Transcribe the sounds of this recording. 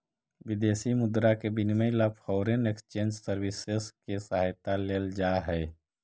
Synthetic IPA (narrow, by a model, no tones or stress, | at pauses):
ʋɪd̪eːsimʊd̪ɾakebɪnmẽlapʰɔːɾenekst͡ʃẽːnd͡ʒsəɾwɪseskesaɦajt̪aleːld͡ʒaɦɛː